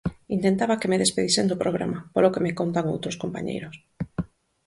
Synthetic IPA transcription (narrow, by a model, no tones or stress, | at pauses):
int̪ent̪aβakemeðespeðisend̪opɾoɣ̞ɾa̰mapolokemekont̪aŋo̰wt̪ɾoskompa̰ɲḛjɾos